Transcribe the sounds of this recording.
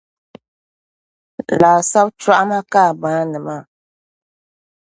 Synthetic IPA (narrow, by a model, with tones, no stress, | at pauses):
laː˨sa˦bt͡ʃa˦ʔa˦ma˦kaː˦˨bãː˦nɨ˨ma˦˨